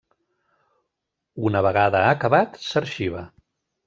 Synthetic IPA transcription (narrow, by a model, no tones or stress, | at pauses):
unəβ̞əɣaðəːkəβat̪səɾʃiβ̞ə